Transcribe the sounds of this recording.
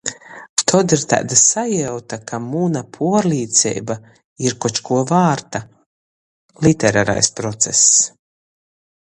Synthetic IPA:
t̪ʰɔd̪iɾt̪a̰ːd̪asajɛwt̪akʰamunapʰuɔɾlʲiːt̪sʲɛ̰jba | iɾkɔt͡ʃkuɔvaːɾt̪a | lˠit̪ɛɾa̰ːɾa̰jspɾɔt̪sɛ̰s

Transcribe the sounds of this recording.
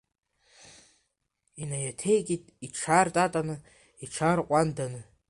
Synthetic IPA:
inajatʰe̞jkʲʼitʼiʈ͡ʂʰartʼatʼanɨ | iʈ͡ʂʰarqʷʼandanɨ

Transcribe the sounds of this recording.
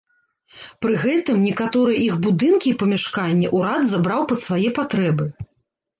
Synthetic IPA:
pɾɨɣɛt̪ɨmnʲɛkat̪ɔɾɨjɛʔixbud̪ɨnkʲiːpɐmʲaʂkanʲːɛʔuɾad̪zabɾawpɐt̪svajɛpat̪ɾɛbɨ

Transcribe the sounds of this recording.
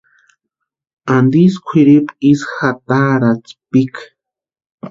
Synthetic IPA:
and̪iskʷʰiɾipisxat̪aɾat͡spik

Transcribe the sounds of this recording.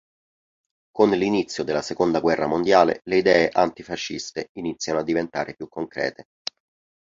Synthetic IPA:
konlinit̪sːjod̪elːasekond̪aɡwɛrːamond̪jaːlḛleid̪ɛːeʔant̪ifaʃːist̪einit̪sːjanoad̪ːivent̪aːɾepjukːoŋkɾɛ̰ːt̪e

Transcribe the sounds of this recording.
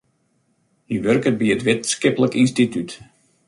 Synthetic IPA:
hiʋørkət̚biətʋɪtskɪpələkinstityt

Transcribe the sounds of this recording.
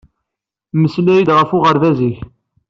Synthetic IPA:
məslæjid̪ʁəfʊʁəɾvæziç

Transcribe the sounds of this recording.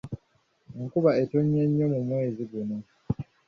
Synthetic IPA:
ŋ̩kuβae̞toɲːeɲːo̞mumwe̞ːziɡuno

